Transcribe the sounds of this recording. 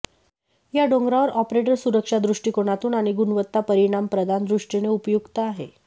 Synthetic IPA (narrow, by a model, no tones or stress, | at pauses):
jaɖoŋɡɾaʋəɾʔɔpɾeʈ̬əɾsuɾəkʂad̪ɾuʂʈikoɽ̃at̪uːnaɽ̃iɡunʋət̪ːapəɾiɽ̃ampɾəd̪ʱand̪ɾuʂʈineupjuɡt̪aːɦḛ